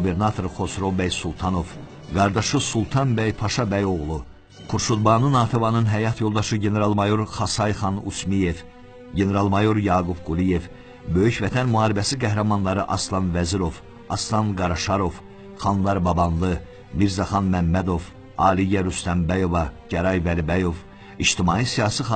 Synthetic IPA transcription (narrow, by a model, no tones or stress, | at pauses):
ube̞ɾnɑt̪ʰo̞ɾχo̞sɾo̞bæjsulˠt̪ʰɑno̞v | ɡɑɾd̪ɑʃɯsulˠt̪ʰɑnbæjpʰɑʃɑbæjo̞ɣlˠu | kʰuɾʃud̪bɑːnɯnɑːt̪ʰevɑnɯnɦæjɑt̪ʰjo̞lˠd̪ɑʃɯɟe̞ne̞ɾɑlˠmɑjo̞ɾχɑsɑjχɑnṵsmije̞v | ɟe̞ne̞ɾɑlˠmɑjo̞ɾjɑːɡubɡulije̞v | bø̞jyçvæt̪ʰænmuɦɑːɾibæsiɡæɦɾæmɑnlˠɑɾɯʔɑslˠɑnvæziɾo̞v̥ | ɑslˠɑnɡɑɾɑʃɑɾo̞v | χɑnlˠɑɾbɑbɑnlˠɯ | miɾzɑχɑnmæmːæd̪o̞v | ɑːlijæɾust̪æmbæjo̞vɑɟæɾɑjvælibæjo̞v | iʃt̪imɑːisijɑːsi